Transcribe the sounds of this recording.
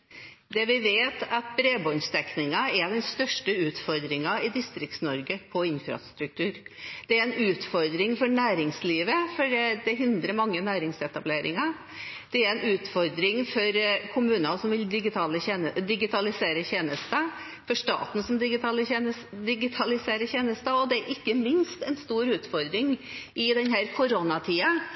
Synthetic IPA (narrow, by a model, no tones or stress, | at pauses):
d̪ɛʋɪʋeːt̪ɑt̪̚bɾeːbɔnst̪ɛknɪŋɑɛɾd̪ɛnst̪œʂʈəʉːt̪fɔɾd̪ɾɪŋɑɪd̪ɪst̪ɾɪk̚t̪snɔɾɡəpʰɔɪnfɾɑ̰st̪ɾʉk̚t̪ʰʉːɾd̪̥ɛæɾɛnʉːt̪fɔɾd̪ɾɪŋfɔɳæːɾɪŋsliːʋəfɔɖɛd̪ɛɦɪnd̪ɾəɾmɑŋːənæːɾɪŋsɛt̪ɑbleːɾɪ̰ŋɑ | d̪̥ɛæɾɛnʉːt̪fɔɾd̪ɾɪŋfɔɾkʰʊmʉːnənsɔmʋɪld̪ɪɡɪt̪ʰɑːləeːnəd̪ɪɡɪt̪ʰɑlɪseːɾəçeːnəst̪ə | fɔʂt̪ɑ̰ːt̪n̩sɔmd̪ɪɡɪt̪ɑləçenəsd̪ɪɡɪt̪ʰɑlɪseːɾəçeːnəst̪əɔd̪ɛæɾʔɪkːəmɪnst̪ɛnst̪uːɾʉːt̪fɔɾd̪ɾɪŋʔɪd̪ɛnhæːɾkʰʊɾonɑt̪ʰiːɑ